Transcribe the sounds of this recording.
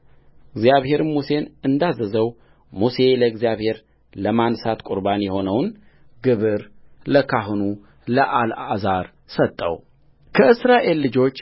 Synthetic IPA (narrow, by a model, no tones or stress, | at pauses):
ɨɡzjaβhe̞ɾɨmuse̞nɨnd̪azəzəw | muse̞ləɨɡzijaβhe̞ɾ | ləmansat̪kʼuɾbanjɛho̞nəwn | ɡɨβɨɾləkʰaɦɨnu | ləʔalazaɾ | sət̪ʼːə̰w | kʰəʔɨsɾaʔe̞lːɨd͡ʒo̞t͡ʃː